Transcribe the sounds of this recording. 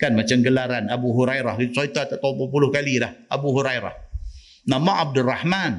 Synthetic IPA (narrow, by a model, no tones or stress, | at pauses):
kanmat͡ʃamɡəlaɾanabuɦuɾajɾahɡit̪usait̪at̪aʔt̪aupapulʊhkalilahʔabuɦuɾajɾa̰h | namaʔab̚dʊrahman